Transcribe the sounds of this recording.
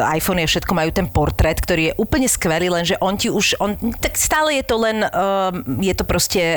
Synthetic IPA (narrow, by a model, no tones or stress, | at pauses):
a̰jfɔniafʃɛt̪kɔmajuːt̪ɛnpɔɾt̪ɾɛt̪kt̪ɔɾiːjɛʔuːpl̩ɲɛskʋɛliːlɛnʒɛʔɔnciuʃɔnt̪akst̪aːlɛjɛt̪ɔlɛnː | jɛt̪ɔpɾɔscɛ